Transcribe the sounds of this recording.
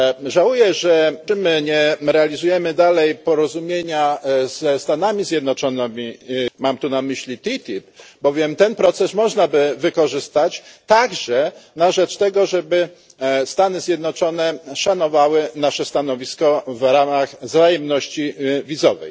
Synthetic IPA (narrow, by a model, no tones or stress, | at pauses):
ʐawujɛʐɛɘmɘɲɛɾɛalʲizujɛmɘd̪alɛjpɔɾɔzumʲjeɲaz̥ɛst̪anamʲizʲjɛd̪nɔt͡ʂɔnɘmʲimamt̪unamɘɕlʲit̪it̪ʲipbɔvʲjɛmt̪ɛnpɾɔt̪sɛsmɔʐnabɘvɘkɔʐɘst̪at͡ɕt̪aɡʐɛnaʐɛt͡ʂt̪ɛɡɔʐɛbɘ | st̪anɘzʲjɛd̪nɔt͡ʂɔnɛʂanɔvawɘnaʂɛst̪anɔvʲiskɔvɾamaɣzajɛmnɔɕt͡ɕivʲizɔvɛ̰j